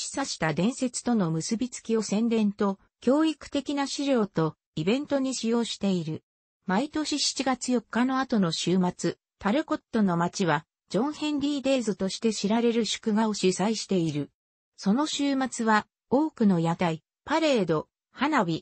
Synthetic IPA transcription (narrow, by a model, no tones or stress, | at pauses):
ɕi̥saɕi̥t̪ad̪ẽ̞ɰ̃se̞t͡sɨ̥t̪o̞no̞mɯ̟sɨbʲit͡sɨ̥kʲio̞sẽ̞nd̪ẽ̞nt̪o̞ | kʲo̞ːikɯ̟̥t̪e̞kʲinaɕiɾʲo̞ːt̪o̞ | ibẽ̞nt̪o̞ɲ̟iɕijo̞ːɕi̥t̪e̞iɾɯ̟ | mait̪o̞ɕiɕi̥t͡ɕiɡat͡sɨjo̞kːano̞at̪o̞no̞ɕɨːmat͡sɨ | t̪aɾɯ̟ko̞t̪ːo̞no̞mat͡ɕiβa | d͡ʑõ̞ɰ̃hẽ̞nɾʲiːd̪e̞ːzɨt̪o̞ɕi̥t̪e̞ɕiɾaɾe̞ɾɯ̟ɕɨ̥kɯ̟ɡao̞ɕisaiɕi̥t̪e̞iɾɯ̟ | so̞no̞ɕɨːmat͡sɨβa | o̞ːkɯ̟no̞jat̪ai | paɾe̞ːd̪o̞ | hanabʲi